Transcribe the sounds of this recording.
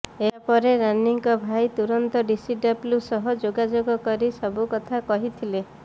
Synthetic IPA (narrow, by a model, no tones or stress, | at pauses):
eapɔɾeɾaniŋkɔbʱajt̪uɾɔnt̪ɔɖisiɖɔbljusɔɦɔd͡ʒoɡad͡ʒoɡɔkɔɾisɔbukɔt̪ʰakɔɦit̪ʰile